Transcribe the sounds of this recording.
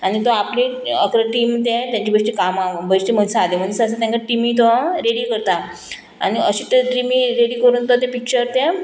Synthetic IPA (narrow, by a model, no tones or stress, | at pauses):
anit̪oapli | əkɾəʈiːmt̪̬ɛ̃t̪jãɲt͡ɕibəʂʈ̪ikamabəɕʈ̪im̤əsad̪emənsəs̬at̪jãŋkaʈimit̪oʋaɾeɽiːkəɾt̪a | a̰niəɕit̪eʈimiɾeɽikəɾuːnt̪ot̪ɛ̃pik̚t͡ɕəɾt̪ɛ̃